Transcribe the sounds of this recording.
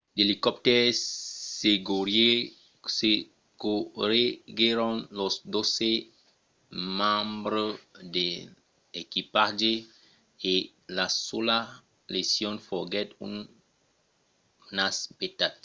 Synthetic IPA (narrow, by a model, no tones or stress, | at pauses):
delikɔp̚tɛ | seɡoɾe | se | ɡ̥oɾeɡeɾɔ̃nlɔsdose | mãmbɾəde | ekipad͡ʒe | e | lasola | lesiɔ̃nfɔɡɛtṵn | nasbetat̚